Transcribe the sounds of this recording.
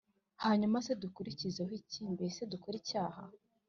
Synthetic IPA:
haːɲumase̞dukuɾicizeɦiciːmbese̞dukoɾiːcaːha̰

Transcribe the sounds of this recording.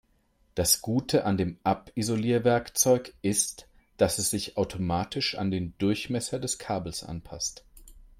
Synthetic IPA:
d̥asɡ̥uːtʰəʔandeːmʔapizoliːɐvɛɐkt͡sɔʏkʔɪst | d̥asɛsz̥ɪçaʊtʰomaːtʰɪʃa̰ndeːndʊɐçmɛsɐdɛskʰaːbl̩sʔa̰npʰa̰st

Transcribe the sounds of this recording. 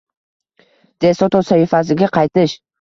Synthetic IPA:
d̪̥esot̪ʰosaifasɪɡʲaqʰɑjt̪ɪʃ

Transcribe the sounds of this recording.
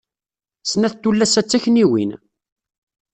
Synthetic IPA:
snæθt̪ːulːæsæt͡sːæçniwḭn

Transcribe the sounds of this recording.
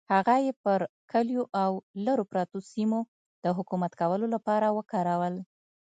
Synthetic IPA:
haɣajepəɾkʰəljoʔawlaɾopɾɑt̪osimo | d̪̥əɦʊkumat̪kawəlolapɑɾawəkɑɾawəl

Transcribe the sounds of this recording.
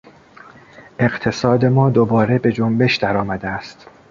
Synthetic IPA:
ʔe̞ɢt̪ʰe̞sɒːd̪e̞mɒːd̪obɒːɾe̞be̞d͡ʒombe̞ʃd̪æɾɒːmæd̪eæst̪

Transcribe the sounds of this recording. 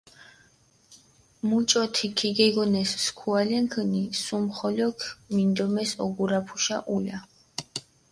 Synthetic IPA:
mut͡ʃʼɔt̪ʰikʰiɡɛɡɔnɛsskʰualɛŋkʰənisumχɔlɔkʰmind̪ɔmɛsɔɡuɾapʰu̥ʃaʔula

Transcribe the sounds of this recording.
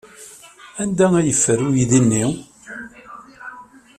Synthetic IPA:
ænd̪ææjəfːəɾujiðinːi

